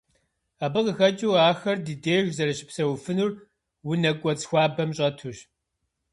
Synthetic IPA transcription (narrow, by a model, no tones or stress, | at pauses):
aːbɨqəxɐt͡ʃʼiwaːxɐrdɨdeːʒʷzɐɾɨɕɪ̥psɐwfɨnur | wʊnɐkʷʼɔt͡sxʷɑːbɐmɕʼɐtʰuɕ